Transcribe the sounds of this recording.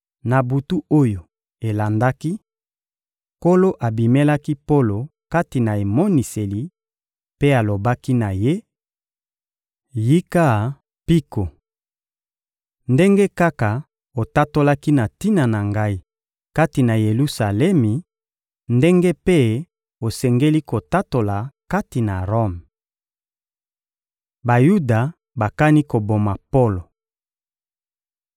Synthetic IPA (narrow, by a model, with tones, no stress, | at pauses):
na˨bu˨tu˦o˦jo˨ | e˨la˨nda˦ki˦ | ko˦lo˦ʔa˨bi˨me˦la˦ki˦po˦lo˨ka˦ti˨na˨e˨mo˦ni˨se˨li˨ | pe˦a˨lo˨ba˦ki˦na˨je˦ | ji˦ka˦˨ | pi˦ko˨ | nde˦ŋɡe˦ka˦ka˨ | o˨ta˦to˦la˦ki˦na˨ti˦na˨na˨ŋɡa˦i˦ | ka˦ti˨na˨je˨lu˦sa˨lɛ˦mi˨ | nde˦ŋɡe˦pe˦ | o˨sɛ˨ŋɡe˦li˦ko˨ta˦to˨la˨ka˦ti˨na˨ʁo˦m | ba˨ju˦da˨ | ba˨ka˦ni˦ko˨bo˨ma˨po˦lo˨